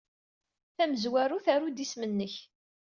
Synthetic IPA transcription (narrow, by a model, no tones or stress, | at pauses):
θæməzwæɾuθæɾud̪ismənːəç